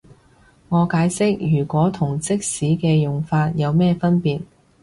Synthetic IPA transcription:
ŋɔː˨˧kaː˨˥jsɪ˥k̚jyː˨˩kʷɔː˨˥t̪ʰʊ˨˩ŋt͡sɪ˥k̚siː˨˥kɛː˧jʊ˨ŋfaː˧t̚jɐ˨˧wmɛː˥˧fɐ˥npiː˨t̚

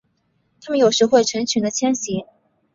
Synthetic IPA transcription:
t̪ʰa˥mə˨njo˨˩ʊʂɻ̩˧˥xwe˥˩ɪʈ͡ʂʰə˧˥ŋt͡ɕʰy˧˥nd̪ə˧t͡ɕʰjɛ˥nɕi˧˥

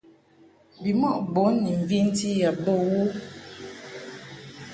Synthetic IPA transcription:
bi˨mɔ˦˨ʔbo˨˦nːi˨ɱ̩˨vi˦n̩˦ti˦ja˨bə˦˨wu˦

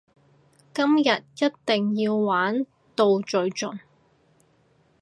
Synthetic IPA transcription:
kɐ˥mjɐ˨t̚jɐ˥t̚t̪ɪ˨ŋjiː˧wːaː˨˥n | t̪o˨˧wt͡ʃɵ˧ɥt͡ʃɵ˨n

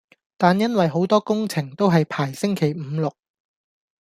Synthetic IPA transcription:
t̪aː˨njɐ˥nwɐ˨jɦo˨˥wt̪ɔː˥kʊ˥ŋt͡sʰɪ˨˩ŋt̪o˥wɦɐ˨jpʰaː˨˩jsɪ˥ŋkʰe˨˩jm̩˨˧˦lʊ˨k̚

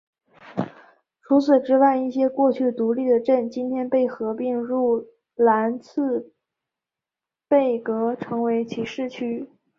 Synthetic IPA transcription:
ʈ͡ʂʰu˧˥t͡sʰɹ̩˨˩ʈ͡ʂɻ̩˥wa˥˧ɪi˥˩ɕjɛ˥kwɔ˥˧t͡ɕʰy˥˩t̪u˧˥li˥˩d̪ə˩ʈ͡ʂə˥˩nt͡ɕi˥nt̪ʰjɛ˥npe˥˩ɪxɤ˧˥pi˥˧ŋɻu˥˩ | la˧˥nt͡sʰɹ̩˥˧ | pe˥˩ɪkɤ˧˥ʈ͡ʂʰɤ˧˥ŋwe˧˥ɪt͡ɕʰi˨˩ʂɻ̩˥˩t͡ɕʰy˥

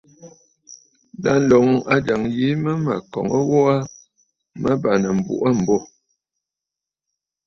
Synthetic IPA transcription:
la˨˦n̩˦lɔ˨ŋ˨a˦d͡ʒa˨ŋji˨˦mə˦mə̰˨kɔ̰˨ŋə˦wɔ˦a˦ | mə˦ba˨nə˨m̩˨bṵ˨ʔə˦m̩˨bo˦˨

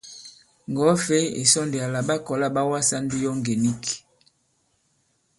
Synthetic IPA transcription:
ŋɡɔ˨˦fe˦ḛ˨sɔ˦nde˨a˨la˨ba˦kɔ˨la˦ba˦wa˦sa˦ndi˦jɔ˦ŋɡe˨ni˦k

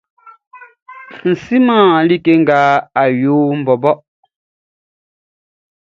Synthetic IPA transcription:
n̩˨si˦mãː˦˨li˦ke˦ŋ̩˦˨ɡa˨˦a˨joː˨˦m̩˨bɔ˨bɔ˦ʔ

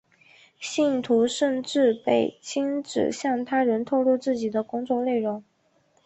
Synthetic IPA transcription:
ɕi˥˩nt̪ʰu˧˥ʂə˥˧nʈ͡ʂɻ̩˥˧pe˥˩ɪt͡ɕʰi˥ŋʈ͡ʂɻ̩̰˨˩ɕjɑ˥˩ŋt̪ʰa˥ɻə˧˥nt̪ʰo˥˧ʊlu˥˧t͡sɹ̩˥˩t͡ɕi˨˩d̪ə˦kʊ˥ŋt͡swɔ˥˧ne˥˩ɪɻʊ˧˥ŋ

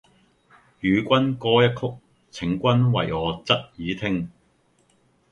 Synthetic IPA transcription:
jyː˨˧kʷɐ˥nkɔː˥jɐ˥t̚kʰʊ˥k̚ | t͡sʰɪ˨˥ŋkʷɐ˥nwɐ̰˨jɔː˨˧t͡sɐ˥t̚jiː˨˧t̪ʰɪ˥ŋ

